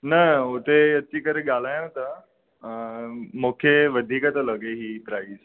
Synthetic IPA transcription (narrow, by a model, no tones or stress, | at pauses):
nəot̪ejət̪ːiːkəɾeɡalaj̃t̪ə | mokʰeʋəd̪ʱiːkat̪ələɡeɦiːpɾaiːz